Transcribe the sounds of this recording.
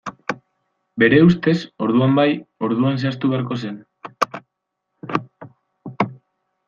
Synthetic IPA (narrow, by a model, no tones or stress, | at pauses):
be̞ɾe̞ust̪e̞so̞ɾðuambajo̞ɾðuanseast̪uβeaɾko̞se̞n